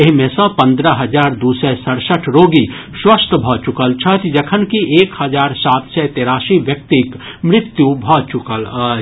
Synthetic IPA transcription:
eɦmẽsə̃pɐ̃nd̪ɾəɦɐd͡ʒaːɾd̪usɛsəɽsəʈʰɾoːɡiswəst̪ʰəbʱɔt͡ʃʊkəlt͡ʃʰɐt̪d͡ʒɐkʰənkiʔeːkhɐd͡ʒaːɾsaːt̪ʰsɛt̪eːɾaːsiʋjək̚t̪ik | mɾɪt̪jubʱɔt͡ʃʊkəl

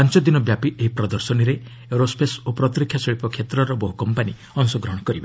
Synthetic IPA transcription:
pant͡ʃɔd̪inɔbjapiʔeɦipɾɔd̪ɔɾsɔñiɾe | eɾospʰesopɾɔt̪ɾikʰːjaseɭipɔkʰet̪ɾɔɾɔbɔɦukɔmpani | ɔnsɔɡɾɔɦɔɽ̃ɔkɔɾibe

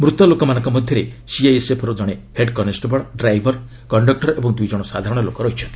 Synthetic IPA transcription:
mɾut̪ɔlokɔmanɔ̃ŋkɔmɔd̪ʱjɔɾesiajesepʰɔɾud͡ʒɔɽ̃eheɖkɔnesʈbɔɭɖɾajbʱɔɾ | kɔɳɖɔk̚ʈɔɾebɔŋd̪ujd͡ʒɔɽ̃ɔsa̰d̪ʱaɾɔɽ̃ɔlokɔɾɔɦit͡ʃʰɔnt̪ʰii̥

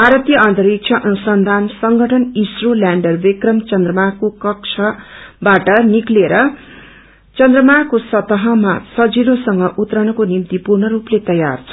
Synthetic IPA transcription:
aɾʌt̪jʌant̪ʌɾik̚t͡sʰʌʔʌnusʌnd̪ʱansʌŋɡʱʌʈʰʌnisrolaɳɖʌrbekrʌmt͡sʌnd̪rʌmakokʌk̚t͡sʰʌbaʈʌnikleɾʌ | t͡sʌnd̪rʌmakosʌt̪ʌɦʌmasʌd͡ziɾosʌŋɡʌʔut̪rʌnʌkonimt̪ipurnʌɾuplet̪ʌja̰rt͡sʰ

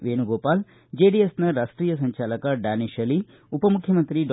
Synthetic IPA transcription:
ʋeːnuɡoːpaːl | d͡ʒeːɖiesnɐɾaːsʈɾiːjɐsɐɲt͡ʃaːlɐkɐɖaːniʃɐli | upɐmukʰjɐmɐnt̪ɾiɖ

